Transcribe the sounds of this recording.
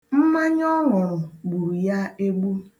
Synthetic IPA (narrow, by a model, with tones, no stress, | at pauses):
m̩˦ma˦ɲɔ˦ŋʊ˨ɾʊ˨ɡ͡bu˨ja˦e˦ɡ͡bu˦